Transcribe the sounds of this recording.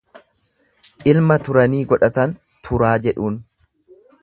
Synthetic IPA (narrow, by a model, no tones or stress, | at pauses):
ʔɪlmɐt̪ʊɾɐniːɡɔᶑɐt̪ɐn | t̪ʰʊɾaːd͡ʒɛᶑuːn